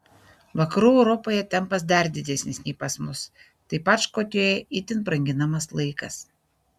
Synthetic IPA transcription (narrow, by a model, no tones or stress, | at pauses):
ʋɐkɐɾuːɛʊɾɔpoːjɛt̪ʲɛmpɐs̬d̪ɐɾd̪ʲɪd̪ʲɛsʲnʲɪsʲnʲɛɪpɐsmʊs | t̪ɐɪpɐt͡ʃkoːk̪ʲoːjɛɪt̪ʲɪnpɾɐŋʲɡʲɪnɐmɐslˠɐɪkɐs